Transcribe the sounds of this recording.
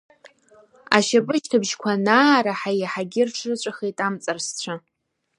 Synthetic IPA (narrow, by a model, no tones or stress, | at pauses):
a̰ʃapʼɨʃtʰɨbʒkʷʰanaːɾaħajaħaɡʲɪrʈ͡ʂʰrɨt͡ɕʷʼaχejtʼamt͡sʼarst͡ɕʷʰa